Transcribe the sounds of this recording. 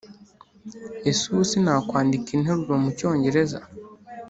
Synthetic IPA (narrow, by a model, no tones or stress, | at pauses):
esusinaːkwaːndikinheɾuɾomuco̞ːɲɟe̞ɾe̞za̰